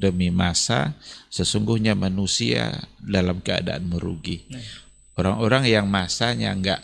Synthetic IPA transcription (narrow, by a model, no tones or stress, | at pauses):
dəmimasa̰səsuŋɡʊhɲamanusia̰dalamkəa̰da̰anməɾṵɡi | oɾaŋoɾaŋjaŋmasaɲa̰ŋɡaʔ